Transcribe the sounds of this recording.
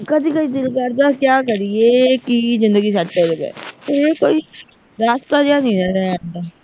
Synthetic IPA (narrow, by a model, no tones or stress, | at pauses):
kəd̪ikəd̪id̪ɪlkəɾd̪akjaːk̬əɾieːkizɪ̃nd̪əɡis̬aelɡɛ̰t̪ojekoːiː | ɾaːst̪ad͡ʒaːnĩnaɾɛaːnd̪aː